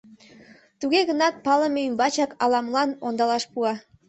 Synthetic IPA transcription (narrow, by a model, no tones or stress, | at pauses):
t̪uɣeɣənɑt̪̚pɑləmeymbɑt͡ɕɑkɑlɑmlˠɑnond̪ɑlɑʃpuɑ